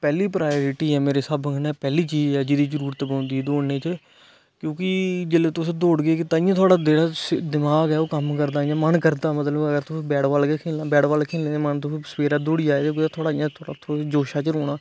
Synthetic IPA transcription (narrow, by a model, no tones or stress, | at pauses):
pɛːliːpɾaːjoːɾɪʈiːɦɛːmeːɾeːsəbkʰnaːpɛːliːt͡ʃiːd͡ʒɛːd͡ʒɪd̪iːd͡ʒəɾuːɾət̪ːbãːnd̪iːɛːd̪oːneːt͡ʃə | kjõːkɪd͡ʒeːleːt̪ʊsd̪oːɽɡeːkɪt̪aːɪjãːt̪ʰʊaːɽaːd̪eːɽaːsd̪ɪmaːɡɛːoːkəmkəɾd̪aːɪjãːmənkəɾd̪aːmət̪ləbəɡəɾt̪ʊsbɛːɽʋaːlkekʰeːlãːbɛːɽʋaːlkʰeːlẽːẽːmənt̪ʊsspeːɾaːd̪oːɽiːaːeːõːkɪaːt̪ʰoːɽaːɪjãːt̪ʰoːɽa̰ːt̪ʰod͡ʒoːʃaːt͡ʃəɾoːɽ̃aː